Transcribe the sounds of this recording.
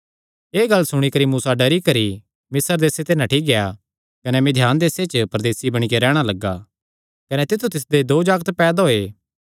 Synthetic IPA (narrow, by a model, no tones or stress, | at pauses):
eːɡɐlːsʊɽ̃ikɐɾimuːsaɖɐɾikɐɾi | mɪsəɾd̪eːset̪enãʈʰiːk̚ɡeja | kɐnɛmẽd̪ʱjaːnd̪eːset͡ʃpɾɐd̪eːsibɐɽ̃ikeɾɛːɽ̃alɐɡːaː | kɐnɛt̪ɪt̪ʰut̪ɪs̬d̪ed̪oːd͡ʒaːɡt̪pɛːd̪ɦoeː